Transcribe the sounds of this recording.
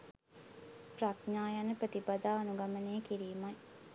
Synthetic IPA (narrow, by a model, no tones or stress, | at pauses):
pratɲaːjanəpɾət̪ipad̪aːnuɡaməneːkiɾiːmaj